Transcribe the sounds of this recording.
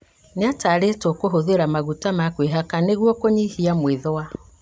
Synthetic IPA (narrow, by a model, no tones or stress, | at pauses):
neataːɾetɔkoɦoðeɾamaɣutamakweɦakaneɣwɔkoɲihiamweðɔwa